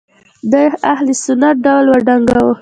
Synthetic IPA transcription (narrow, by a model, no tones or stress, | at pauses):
d̪əahlesʊnat̪̚ɖawlwaɖaŋɡawo